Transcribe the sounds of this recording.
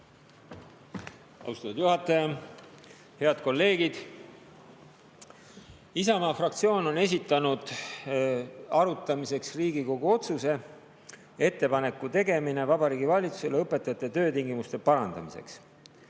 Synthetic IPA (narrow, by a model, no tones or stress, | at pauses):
ɑ̰ust̪ɑt̪ːud̪̥juɦɑt̪ːˑɑjɑ | he̞ɑd̪̥̚ko̞lːe̞ːɡ̥id̪̥ | isɑmɑːfrɑk̚t̪sio̞ːno̞ne̞s̬ʲit̪ːˑɑnud̪̥ | ɑɾut̪ːˑɑmise̞ksriːɡiko̞ɡ̥uo̞t̪suse̞ | e̞t̪ːe̞pɑne̞kːˑut̪e̞ɡe̞mine̞vɑbɑɾiːɡivɑlʲit̪su̥se̞lːeɤpːˑe̞t̪ːˑɑjɑt̪ːˑet̪ø̞ːt̪iŋɡimust̪e̞pɑɾɑnd̪ɑ̰misḛks